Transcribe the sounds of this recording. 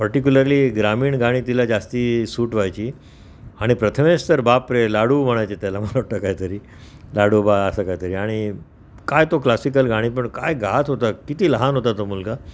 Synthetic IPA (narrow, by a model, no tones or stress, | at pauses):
pəɾʈik̬ʲuləɾliːɡɾamiːɳɡaɽ̃ĩːt̪ilad͡zast̪iːsuːʈʋajt͡ɕiː | aɽ̃ipɾət̪ʰəmest̪əɾbapɾelaɽum̤əɽ̃ajt͡ɕet̪jalam̤əlaʈəkaɦit̪əɾiː | laɽuːbaəsakaɦit̪əɾiːaɽ̃i | kajt̪oklasik̬əlɡaɽ̃iːp̬əɳkajɡʱat̪ɦot̪akit̪iːləɦanɦot̪at̪omulɡa